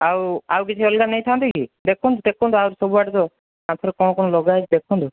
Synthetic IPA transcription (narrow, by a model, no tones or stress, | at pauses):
awa̰wkit͡ʃʰiɔlɡamnejt̪ʰant̪ikid̪ekʰɔnt̪ud̪ekʰɔnt̪uawɾsɔbuaʈɔt̪ɔ | mat̪ʰɔɾekɔñɔkɔnɔlɔɡajt͡ʃd̪ekʰɔnt̪ʰu